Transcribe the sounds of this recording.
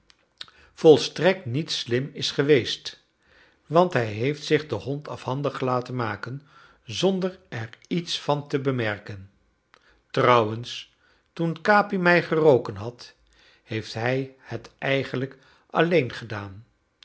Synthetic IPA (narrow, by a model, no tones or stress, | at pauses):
v̥ɔlˠstrɛk̚tnitslɪmɪsχəʋejst | ʋɑntɦɛjɦejftsɪχdəɦɔntɑ̰fhɑndəχlaːtənmaːkən | zɔndərɛɹitsfɑntəbəmɛrkən | trɑwəns | tunkaːpimɛjχərowkənɦɑt | hejftɦɛjhətʔɛjχənlək | ʔɑlejnχədaːn